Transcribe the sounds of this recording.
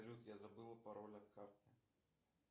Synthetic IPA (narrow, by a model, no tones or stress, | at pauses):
lʲut̪jazabɨlˠɐpaɾɔlʲɐt̪xart̪ʲɪ